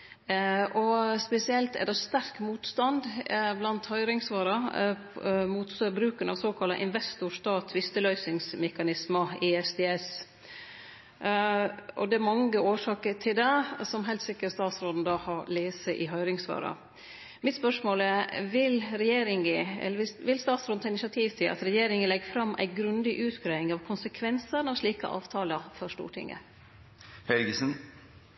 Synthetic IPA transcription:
ʔɔspɛsɪɛlt̪ɛ̰d̪ɛst̪æɾkmuːt̪st̪ɑnd̪blɑnt̪hœʏɾɪŋsʋɑːɾɑ | muːt̪sbɾʉːkənɑʋsoːkʰɑlɑ̰ʔɪnʋɛst̪ʊʂt̪ɑːt̪ʰːʋɪst̪əlœʏsɪŋsmɛkɑnɪsmɑɪɛsd̪ɛːɛs | ʔɔd̪ɛæɾmɑŋəoːʂɑːkəɾʈʰɪld̪ɛsɔmɦɛɪlt̪sɪkːəɾst̪ɑːt̪sɾoːd̪n̩d̪ɑːhɑɾleːsəʔɪɦœʏɾɪŋsʋɑ̰ːɾɑ̰ | mɪt̪spœʂmoːlɛɾʋɪlɾɛjeːɾɪŋəɛ̰lːəʋɪʋɪlst̪ɑːt̪sɾod̪n̩ʰɑɪnɪsɑt̪ʰiːʋt̪ʰɪlʔɑ̰t̪ɾɛjeːɾɪŋənlɛɡfɾɑmːʔæ̰ɪɡɾʉnd̪ɪʔʉːt̪ɡɾæɪŋɑʋkʰʊnsəkʰʋɛnsənɑʋʂɭiːkə̰ʔɑ̰ːʋt̪ʰɑːləfɔɾʂʈṵːʈʰɪ̰ŋːə̰ | hɛlɡəsən

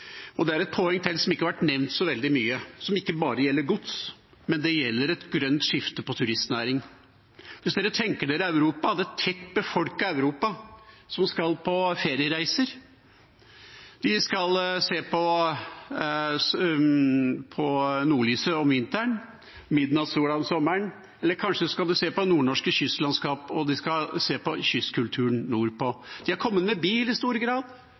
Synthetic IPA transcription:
ɔd̪ɛæɾɛt̪̚pʰɔːɛŋːt̪ʰɪlsɔmɪkːhɑʋæʈnɛʋnt̪sɔʋɛld̪ɪmyːəsɔmɪkːəbɑːɾəjɛlːəɾɡʊt̪s | mɛnd̪ɛjɛlːəɾɛt̪ɡɾœnt̪ʂɪft̪əpɔt̪ʰʉɾɪst̪næːɾɪŋ | ʋɪsd̪eːɾət̪ʰɛŋkəɖeːɾɪæʉɾuːpɑd̪ɛɛt̪ʰːɛt̪ːbəfɔlkɑæʉɾuːpɑ | sɔmskɑlpʰɔfeːɾɪəɾæɪsəɾ | d̪̥ɪskɑlseːpʰɔ | pʰɔnuːɭiːsəɔmʋɪnt̪əɳ | mɪd̪nɑʋsuːɑsɔmːəɳ | ɛlːəɾkʰɑnʂəɔskɑld̪ʉseːpɔnuːɳɔʂkəɕʏslɑnskɑːpɔd̪ɪskɑseːpɔçʏskʰʉlt̪ʰʉːəɳnuːɾpʰɔd̪̥ɪhæɾkʰɔmːət̪mɛbiːlɪst̪uːɾəɡɾɑːd̪

